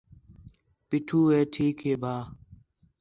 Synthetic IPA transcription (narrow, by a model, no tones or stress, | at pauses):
pɪʈʰuːeːʈʰiːkeːbʱaː